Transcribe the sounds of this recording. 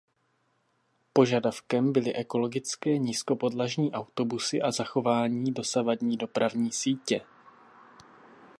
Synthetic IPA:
po̞ʒadafkɛmbɪlɪʔɛko̞lo̞ɡɪt͡skɛːɲisko̞po̞dlaʒɲiːʔawt̪o̞busɪʔazaxo̞vaːɲiːdo̞savadɲiːdo̞pɾʔavɲiːsiːcɛ

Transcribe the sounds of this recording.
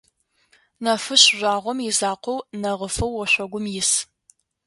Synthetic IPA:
nɐfɨɕʒʷaːʁʷɔmjɪzaːqʷownɐʁəfɨwːɔɕʷɔɡʷʊmjɪs

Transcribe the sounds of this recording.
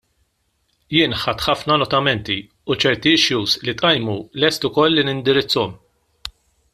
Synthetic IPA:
jɪːnħɐt̪ħɐfnɐnɔt̪ɐmɛnt̪i | ut͡ʃɛɾt̪iɪʃjuːslit̪ʼʔɐjmulɛst̪ʊkɔlːinɪnd̪ɪɾɪt͡sːɔm

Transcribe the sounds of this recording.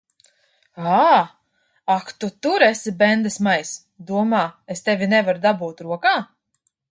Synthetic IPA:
aː | akt̪ut̪uɾɛsibɛnd̪ɨsmajs | d̪uɔmaːest̪ɛvʲinɛvaɾd̪abuːt̪ɾuɔkaː

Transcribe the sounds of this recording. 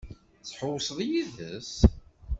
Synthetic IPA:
t͡sːħowːsˤðˤjiðəs

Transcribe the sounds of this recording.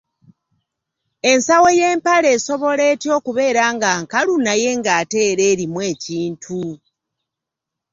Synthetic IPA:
e̞nsawe̞jeːmpale̞ːso̞βo̞le̞ːtjo̞ːkuβe̞ːɾaːŋɡaːŋkalunaje̞ŋɡaːte̞ːɾeːɾimwe̞ːciːntʰu

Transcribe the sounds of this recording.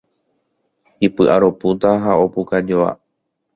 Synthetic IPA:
ipɨʔaɾo̞put̪aɦaopukad͡ʒoa̰

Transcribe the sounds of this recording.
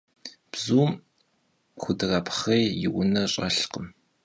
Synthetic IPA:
b̥zuːm | χʷʊdɨrɐpʰχejjɪwʊnɐɕʼɐ̰ɬqəm

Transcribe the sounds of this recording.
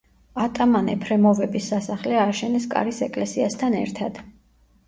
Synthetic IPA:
at̪ʼamanɛpʰɾɛmɔvɛbisːasaχlɛaʃɛnɛskʼa̰ɾisɛkʼlɛsiast̪ʰanɛ̰ɾt̪ʰad̪̥

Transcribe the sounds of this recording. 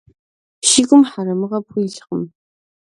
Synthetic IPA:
ʃiɡʷʊmħaɾɐmɨʁɐpxʷijɮχəm

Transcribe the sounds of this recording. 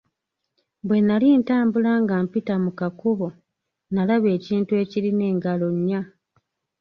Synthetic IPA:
bwe̞nːalintaːmbulaŋɡampitamukakuβo̞ | nalaβe̞ːciːntue̞ːciline̞ːŋɡalo̞ɲːa

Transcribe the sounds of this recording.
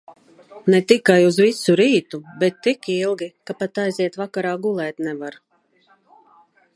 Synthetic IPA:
nɛt̪ikajuzvisuɾiːt̪ubɛt̪ːikilˠɡikapat̪ajziɛt̪vakaɾaːɡulˠɛːt̪nɛvaɾ

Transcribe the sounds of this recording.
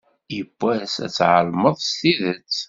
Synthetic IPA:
jəb̥ʷːæsæ̰t͡sːʕəlməðˤst̪iðət͡sː

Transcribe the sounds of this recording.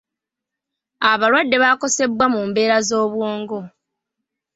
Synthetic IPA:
aβalwadːe̞βaːko̞se̞bwamuːmbe̞ːɾazo̞ːβwoːŋɡo̞

